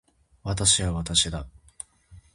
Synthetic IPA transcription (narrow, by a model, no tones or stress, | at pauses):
βat̪aɕiβaβat̪aɕid̪a